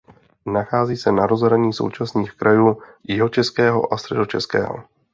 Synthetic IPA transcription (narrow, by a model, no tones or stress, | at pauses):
naxaːziːsɛnaɾo̞zɦɾaɲiːso̞̰wt͡ʃasniːxkɾʔajuːjɪɦo̞t͡ʃɛskɛːɦo̞̰ʔast̪ɾɛdot͡ʃɛskɛ̰ːɦo̞̰